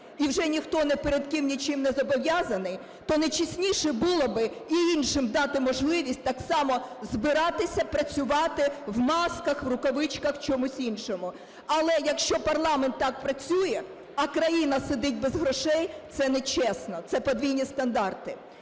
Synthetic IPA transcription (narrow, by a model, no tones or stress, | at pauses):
iwʒɛnʲixt̪ɔnɛpeɾed̪kɪmnʲit͡ʃɪmnɛzɔbɔʋʲjɑzɐnɪj | t̪ɔnɐjt͡ʃisʲnʲiʃɛbulˠɔbɪiinʃɪmd̪ɑt̪ɪmɔʒlˠɪʋʲisʲt̚ʲt̪ɑksɑmɔzbɪɾɑt̪ɪsʲɐpɾɐt͡sʲʊʋɑt̪ɪwmɑskɐxʋrʊkɔʋɪt͡ʃkɐxt͡ʃɔmusʲinʃɔmʊ | ɐlˠɛjɐkʃt͡ʃɔpɐrlˠɑmɛnt̪ːɑk̚pɾɐt͡sʲujɛ | ɐkɾɐjinɐsed̪ɪt̚ʲbezɦɾɔʃɛjt̪sɛnɛt͡ʃɛsnɔt̪sɛpɔd̪ʲʋʲijnʲist̪ɐnd̪ɑrt̪ɪ